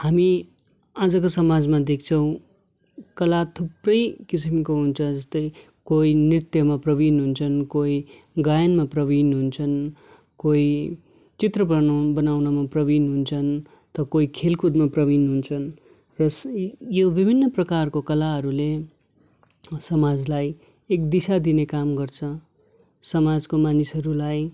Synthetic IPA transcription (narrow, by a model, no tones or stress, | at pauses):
hami | ad͡zʌkosʌmad͡zmad̪ek̚ʰt͡sʰʌw̃ | kʌlat̪ʰuprʌjkis̬imkoɦunt͡sʰʌd͡zʌst̪ʌj | koinrit̪jʌmaprʌbinɦunt͡sʰʌnkoi | ɡajʌnmaprʌβinɦunt͡sʰʌn | koi | t͡sit̪rʌpʌnobʌnawnamaprʌbinɦunt͡sʰʌn | t̪ʌkoikʰelkud̪maprʌbinɦunt͡sʰʌn | rʌsjobibʱinːʌprʌkarkokʌlaɦʌɾule | sʌmad͡zlaj | ekd̪isad̪inekamɡʌrt͡sʰʌ | sʌmad͡zkomanisɦʌɾulaj